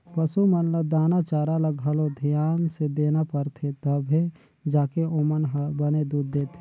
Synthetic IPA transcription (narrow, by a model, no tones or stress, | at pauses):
pɐsumənləd̪aːnat͡ʃaːɾaləɡʱəlod̪ʱijaːnsed̪eːnapəɾt̪ʰet̪əbʱe | d͡ʒaːkeomənɦbɐned̪uːd̪ːeːt̪ʰe